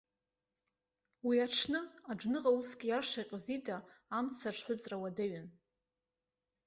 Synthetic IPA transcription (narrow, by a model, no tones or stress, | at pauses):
wiaʈ͡ʂʰnɨad͡ʒnɨʁausɡʲjarʂaqʲʼzidaːmt͡sʰaʈ͡ʂʷħʷʊt͡sʼrawadaɥɨn